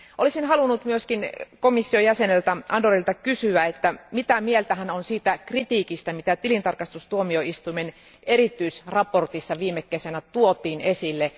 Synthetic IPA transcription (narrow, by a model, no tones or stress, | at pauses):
ʔolisinhɑlunːut̪myøskinkomisːiojæsenelt̪æʔɑndorilt̪ɑkysyæet̪ːæmit̪æmielt̪æhænonsiːt̪ækrit̪iːkist̪æmit̪æt̪ilint̪ɑrkɑst̪ust̪uomioʔist̪umen | erit̪ːˑyisrɑport̪isːɑʋiːmːekːesænæt̪uot̪iːnesilːe